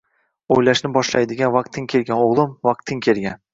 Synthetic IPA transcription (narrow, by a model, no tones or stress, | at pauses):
ojlaʃnɪbɒʃlajd̪ɪɡʲanvɑq̚t̪ʰːɪŋkʲʰe̞lɡʲanoʁlˠʊmvɑq̚t̪ʰːɪŋkʲʰe̞lɡʲan